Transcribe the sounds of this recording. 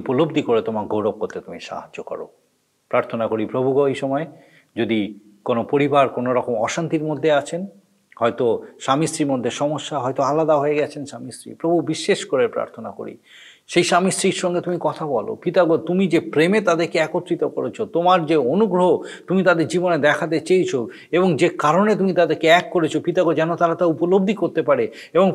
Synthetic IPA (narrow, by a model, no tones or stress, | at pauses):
upolobd̪ʱikoɾet̪omaɾɡowɾob̚koɾt̪ʰet̪umiʃa̰ɦad͡ʑːokɔ̰ɾo̰ | pɾaɾt̪ʰonakoɾipɾobʱuɡoiʃɔmɔe | d͡ʑod̪i | konopoɾibaɾkonoɾɔkomɔʃant̪iɾmod̪ʱːeat͡ɕʰen | hɔjt̪oʃamisɾiɾmod̪ʱːeʃɔmoʃːaɦɔjt̪oalad̪aɦoeɡɛt͡ɕʰenʃamisɾḭpɾobʱubiʃːeʃkoɾeɾpɾa̰ɾt̪ʰonako̰ɾḭ | ʃejʃamisɾiɾʃɔŋɡet̪umikɔt̪ʰabɔlo̰pit̪aɡot̪umid͡ʑepɾemet̪ad̪eɾkeɛkot̪ːɾit̪okoɾet͡ɕʰot̪omaɾd͡ʑeonuɡɾoɦot̪umit̪ad̪eɾd͡ʑiboned̪ɛkʰat̪̬et͡ɕejt͡ɕʰo | eboŋd͡ʑekaɾonet̪umit̪ad̪eɾkeɛkːoɾet͡ɕʰopit̪aɡod͡ʑɛnot̪aɾat̪aupolob̚d̪ʱikoɾt̪epaɾe | eboŋ